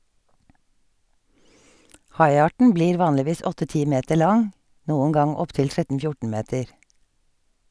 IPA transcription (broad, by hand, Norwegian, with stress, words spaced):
ˈhɑɪˌɑːʈɳ̩ ˈbliːɾ ˈʋɑːnlɪˌʋiːs ˈɔtə ˈtiː ˈmeːtəɾ ˈlɑŋ ˈnuːŋ̍ ˈɡɑŋ ˈɔpˌtɪl ˈtɹɛtn̩ ˈfjʊʈɳ̩ ˈmeːtəɾ